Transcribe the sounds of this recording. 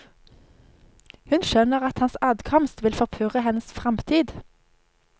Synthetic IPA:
hʉnʃœnəʁɑt̪hɑnsɑːd̪kʰɔmst̪ʋɪlfɔʁpʰøːʁəhɛnəsfʁɑmt̪ʰiːd̪

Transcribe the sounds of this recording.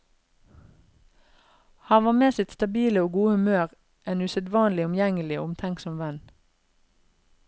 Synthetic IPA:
hɑnʋɑːmeːsɪt̪st̪ɑbiːləoːɡuːəhʉmøːʁ | ʔeːnʉsɛd̪ʋɑːnlɪʊmjɛŋəlɪo̰ːʊmt̪ʰɛŋksɔmʋɛn

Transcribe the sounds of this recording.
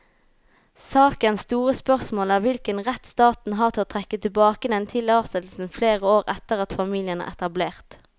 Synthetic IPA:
sɑːkənst̪uːʁəspœʁsmoːlæːʁʋɪlkənʁɛt̪st̪ɑːt̪n̩ɦɑːʁt̪ʰɪloːt̪ʰʁɛkːət̪ʰɪbɑːkəd̪ɛnt̪ʰɪlɑːsɛt̪l̩sn̩fleːʁəoːʁɛt̪əʁɑt̪fɑmiːlɪənæ̰ːʁʔɛ̰t̪ɑbleːʁt̪

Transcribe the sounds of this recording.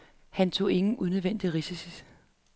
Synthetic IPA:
hænt͡sʰo̝̰ːe̝ŋn̩ʔuneðˠʋen̰d̥iʁisisi

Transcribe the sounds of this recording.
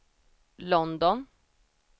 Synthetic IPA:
lɔnd̪ɔn

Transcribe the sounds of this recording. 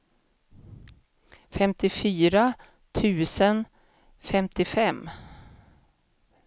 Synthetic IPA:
fɛmt̪ɪfyːɾa | t̪ʰʉ̟ːsən | fɛmt̪ɪfɛmː

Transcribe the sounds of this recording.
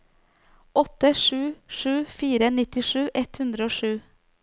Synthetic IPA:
ʔɔt̪ːəʂʉːʂʉːfiːɾənɪt̪ɪʂʉːʔɛt̪hʉnd̪ɾəoːʂʉː

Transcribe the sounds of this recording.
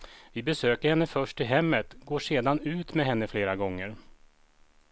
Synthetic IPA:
vɪbɛsøːkəɾhɛnːəfœʂʈɪɦɛmːət̪ɡoːʂeːd̪anʉ̟ːt̪mɛɦɛnːəfleːɾaɡɔŋːəɾ

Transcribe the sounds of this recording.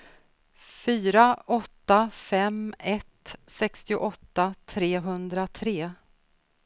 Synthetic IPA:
fyːɾaʔɔt̪ːafɛmɛt̪sɛkst̪ɪʊʔɔt̪ːat̪ʰɾeːɦɵnd̪ɾat̪ʰɾeː

